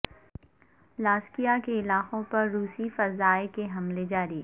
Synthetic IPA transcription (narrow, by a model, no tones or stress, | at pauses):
laːskijakeɪlaːqõpɐɾːuːsifɐzaːekeɦɐmled͡ʒaːɾiː